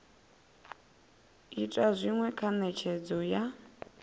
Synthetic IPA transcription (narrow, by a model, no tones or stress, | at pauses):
itʼazʷiŋwɛkʰanɛt͡ʃʰɛd͡zɔja